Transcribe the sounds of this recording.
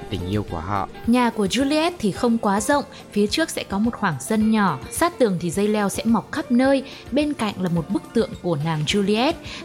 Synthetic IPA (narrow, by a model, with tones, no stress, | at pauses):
t̪ï˨˩ŋ̟ʔi˧əwku˧˩əhɔ̰˧˨ɲaː˨˩ku˧˩əzu˧li˧ɛ˦˥t̚t̪ʰi˨˩xə˧wŋ͡mkwaː˨˦zə̰˧˨wŋ͡m | fi˨˦ət͡ɕɨ˦˥ək̚sɛ̰˧˥kɔ˨˦mo˨˩t̚xwaː˧˩ŋzə˧nɲɔ˧˩saː˦˥t̚t̪ɨ˨˩əŋt̪ʰi˨˩zə˧jlɛ˧wsɛ̰˧˥ma˨˩wk͡p̚xə˦˥p̚nəː˧j | ɓe˧nka̰˧˨jŋ̟laː˨˩mo˨˩t̚ɓɨ˦˥k̚t̪ɨ̰˧˨əŋku˧˩ənaː˨˩ŋzu˧li˧ʔɛ˦˥t̚